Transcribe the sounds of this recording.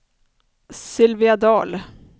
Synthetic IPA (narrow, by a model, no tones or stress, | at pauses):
sɪlvɪad̪ɑːl